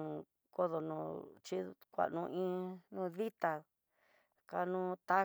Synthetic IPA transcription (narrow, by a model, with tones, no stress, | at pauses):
ko˦ðo˧nũ˧˨t͡ʃi˦kʷa̰˨ʔnũ˧ʔĩ˦nũː˦˧ði˦t̪a˧ | ka˧nũː˦t̪a˦